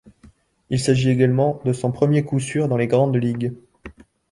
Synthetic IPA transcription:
ilsaʒieɡalmɑ̃d̪əsɔ̃pχəmjekusyʁd̪ɑ̃leɡʁɑ̃d̪liɡ

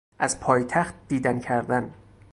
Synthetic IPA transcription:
ʔæzpʰɒːjt̪ʰæxt̪̚d̪iːd̪æncʰæɾd̪æn

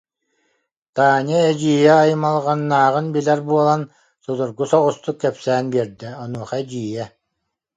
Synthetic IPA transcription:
t̪aːnʲɛɛd͡ʑiːjɛajɯmalˠʁanːaːʁɯnbilɛɾbuɔlˠan | sud̪uɾɡusɔʁust̪ukːɛpsæːnbiɛɾd̪ɛɔnuɔχad͡ʑiːjɛ

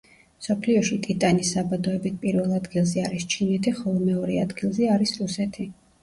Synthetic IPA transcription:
msɔpʰliɔʃit̪ʼit̪ʼanisːabad̪ɔɛbit̪̚ʰpʼiɾvɛlˠad̪ɡilˠzɛaɾist͡ʃʰinɛt̪ʰiχɔlˠɔmɛɔɾɛad̪ɡilˠzɛaɾisɾusɛt̪ʰi

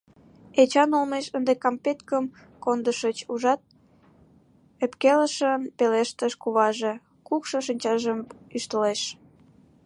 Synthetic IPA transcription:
et͡ɕɑnolmeʃənd̪ekɑmpet̪kəm | kond̪əʃət͡ɕuʒɑt̪̚ | epkeləʃənpeleʃt̪əʃkuβɑʒe | kukʃəʃ̬inʲt͡ɕɑʒəmyʃt̪əleʃ

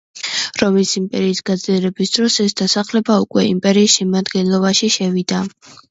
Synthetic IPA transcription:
ɾɔmisimpʼɛɾiːsɡ̥ad̪zliɛɾɛbisd̪̥ɾɔsɛsd̪̥asaχlɛbaukʼwɛimpʼɛɾiːsʃɛmad̪ɡɛnlˠɔbaʃiʃɛvid̪a

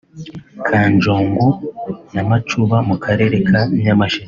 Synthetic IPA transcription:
kʰaːnd͡ʒoːŋɡunamat͡ʃuβamukʰaɾe̞ɾekʰaɲamaʃiz

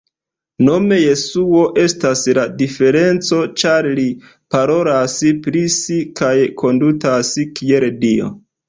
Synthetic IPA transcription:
no̞me̞je̞suo̞ʔe̞stasladife̞ɾe̞nt͡so̞t͡ʃaɾli | paɾo̞laspɾisikajkʰo̞ndutaskie̞ldio̞̰

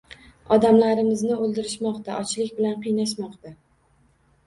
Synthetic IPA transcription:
ɒd̪amlaɾɪmɪznɪolˠd̪ɪɾɪʃmɒqt̪a̰ʔɒt͡ʃʰlɪkʲbɪlanqʰɨjnaʃ̬mɒqt̪a

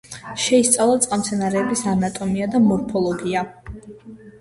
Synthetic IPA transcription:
ʃɛist̪sʼavlˠat̪sʼqʼamt̪sʰɛnaɾɛːbisanat̪ʼɔmiad̪amɔɾpʰɔlˠɔɡia

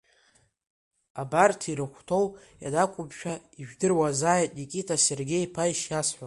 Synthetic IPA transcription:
abartʰiɾɨχʷtʰo̞w | ja̰dakʷʼʊbʃᶣaiʒᶣdɨrwazaːjtʼnikʲʼitʰaserɡʲe̞jpʰajʃjasħʷa

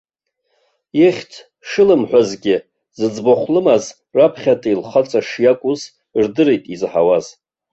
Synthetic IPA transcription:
eχʲtʰ | ʂɨlɨmħʷᶣazɡʲɪ | zɨd͡zboχʷlɨmaz | rapʰχʲatʼilχat͡sʼaʂjakʷʼuz | rdɨɾejtʼizħawaz

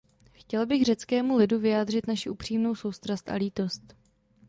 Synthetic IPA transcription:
xcɛlbɪɣr̝ɛt͡skɛːmulɪduvɪjaːdr̝ɪt̪naʃɪʔupr̝̥iːmno̞wso̞wst̪ɾast̪ʔa̰liːt̪o̞st̪

